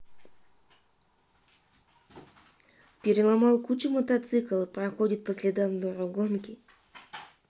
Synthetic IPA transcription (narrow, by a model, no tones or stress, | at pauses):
pʲeɾʲɪlˠamɑlˠkʰut͡ʃəmot̪at̪sɨklˠɨprɐxo̞dʲit̪̚pʰəsʲlʲed̪annuɾoɡonkʲɪ